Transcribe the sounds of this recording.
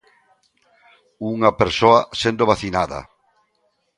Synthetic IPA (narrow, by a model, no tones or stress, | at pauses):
uŋɐpeɾsoɐsend̪oβaθinaðɐ̰